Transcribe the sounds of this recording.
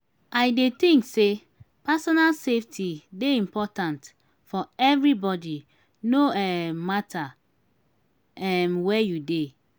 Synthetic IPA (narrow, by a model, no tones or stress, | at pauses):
aɪdet̪ĩŋkse | pasɔnalseftʰideĩmpɔtãnt | fɔɛvɾibɔdi | noɛmatʰa | ɛmwɛjude